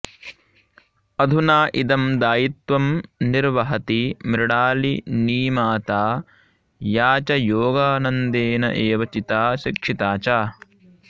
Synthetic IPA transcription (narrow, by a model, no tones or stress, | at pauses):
ɐd̪ʱunaːʔid̪ɐmd̪aːjit̪ʋɐmniɾʋɐɦɐt̪imɾɐɽaːliniːmaːt̪aː | jaːt͡ʃɐjoːɡaːnɐnd̪eːnɐ̰ʔeːʋɐt͡ʃit̪aːʃikʂit̪aːt͡ʃaː